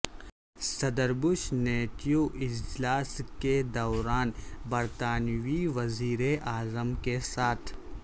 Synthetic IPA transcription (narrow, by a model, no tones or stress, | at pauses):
sɐd̪əɾbʊʃneːt̪ijuʔɪd͡ʒlaːsked̪ɔːɾaːnbɐɾt̪aːnwiʋɐziːɾeʔaːzəmkesaːt̪ʰ